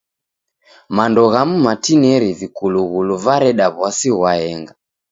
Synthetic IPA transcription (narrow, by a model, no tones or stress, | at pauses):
mandɔɣamumatinɛɾivikuluɣuluvaɾɛɗaβwasiɣwaɛŋɡa